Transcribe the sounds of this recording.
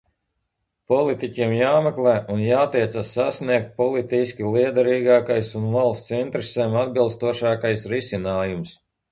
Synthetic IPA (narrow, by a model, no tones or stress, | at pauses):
pɔlˠit̪icʲiɛmjaːmɛklˠɛːʔunjaːt̪ɛjt̪sasːasniɛkt̪̚pɔlˠit̪isʲkʲilˠiɛd̪aɾiːɡaːkajsunvalˠst̪sint̪ɾɛseːmad̪bilˠst̪uɔʃaːkajsɾisʲinaːjums